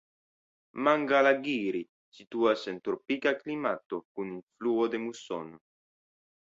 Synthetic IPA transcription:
maŋɡalaɡiɾi | sit̪uasent̪uɾpikaklimat̪okununfluod̪emuso̰no

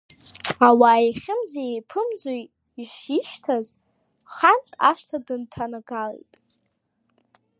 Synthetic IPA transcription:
awaːjχʲɪmzeepʰɨmzoj | iʃiʃtʰaz | χantʼa̰ʃtʰadɨntʰanaɡalḭjtʼ

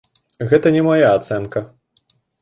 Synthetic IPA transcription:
ɣɛt̪ɐnʲɛmajaːt̪sɛnkɐ

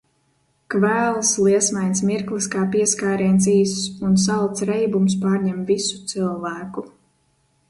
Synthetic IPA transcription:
kvæːlˠslˠiɛsmajnsmiɾklˠiskaːpiɛskaːɾiɛnt̪siːsuns̬alˠt̪sɾɛjbums̬paːɾɲɛmvisu̥t̪silˠvæːku

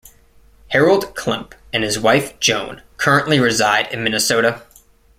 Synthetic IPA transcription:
hɛɹl̩ˠd̚kʰl̥ʌ̃mpɨ̃nɨzwaɪfd̥ʒ̥õʊ̃nkʰɜ˞ɨ̃nʔliɹɨzaɪɾɨ̃nmɪ̃nɨsoʊɾɨ

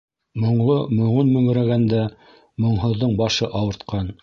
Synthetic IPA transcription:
mŏɴlˠomɵ̆ʁunmɵ̆ŋɘ̆ɾæɡænd̪æ | mŏɴɦɤ̆ðːɤɴbɑʃɤʔɑwɤ̆ɾt̪qɑn

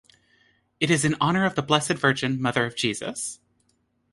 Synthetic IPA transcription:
ɨɾɨzɨ̃nɑñə˞ʌvðəblɛsɨdvɜ˞d͡ʒɨ̃nmʌðə˞ʌvd͡ʒizɨ̰s

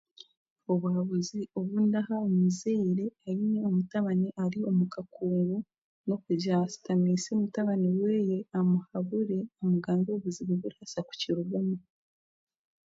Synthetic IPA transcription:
oβuaβuzio̞βundahaomizeiɾe̞aineomutaβaneʔaɾio̞mukakuːŋɡu | no̞kuɟasi̥tamisemutaβaniweːjeamuhaβuɾe̞omuɡaːŋɡoβuziβeβuɾasaku̥ciɾuɡome

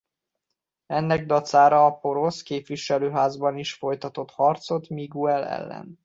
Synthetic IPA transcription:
ɛnːɛɡd̪ɒt̪saːɾɒːpo̞ɾo̞skeːpʋiʃɛløːɦaːzbɒniʃfo̞jt̪ɒt̪o̞t̪hɒrt̪so̞t̪miɡuɛlɛ̰lːɛ̰n

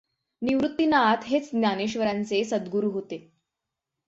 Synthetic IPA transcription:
niʋɾut̪ːinat̪ɦet͡sd̪nʲjaneɕʋəɾant͡sesəd̪ɡuɾuɦot̪e

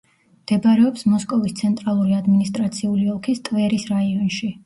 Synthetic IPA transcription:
md̪̥ɛbɾɛɔpsmɔskʼɔvist̪sʰɛnt̪ʼɾalˠuɾiad̪minist̪ʼɾat̪sʰiuliɔlˠkʰist̪ʼvɛɾisɾaiɔnʃi

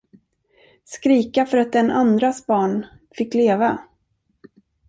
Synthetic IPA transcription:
skɾiːkafœɾat̪̚d̪ɛnand̪ɾasbɑːɳ | fɪkːleːva

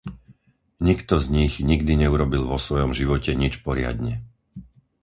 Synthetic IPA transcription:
ɲikt̪ɔzɲiɣɲiɡd̪iɲɛuɾɔbilʋɔsʋɔjɔmʒiʋɔcɛɲit͡ʃpɔɾɪa̰d̪ɲɛ

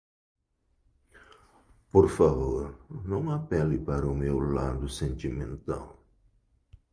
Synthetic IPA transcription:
poɾfavoɾnɐ̃w̃apɛlipaɾɐumewla̰d̪ʊsẽnt̪imḛ̃nt̪a̰w

